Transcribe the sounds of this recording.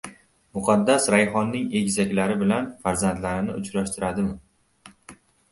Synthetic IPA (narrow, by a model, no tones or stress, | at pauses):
mʊqʰɑd̪ːasɾajχɒnːɪŋe̞kʲzakʲlaɾɪbɪlanfaɾzand̪laɾɪnɪʊt͡ʃɾaʃt̪ʰɪɾad̪ɪmɪ